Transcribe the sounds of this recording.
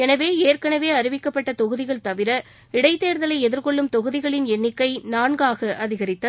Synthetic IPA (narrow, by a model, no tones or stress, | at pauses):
ɛnɐʋeːeːrkɐɳɐʋeːɐɾɪʋɪkːɐpːɐʈːɐt̪ɔɣɯðɪɣɐɭt̪ɐʋɪɾɐ | ɪɽɐɪt̪ːeːɾðɐlɐɪɛðɪɾkɔɭːɯmt̪ɔɣɯðɪɣɐɭɪnɛnːɪkːɐɪnaːɳɡaːɣɐʔɐðɪɣɐɾɪt̪ːɐ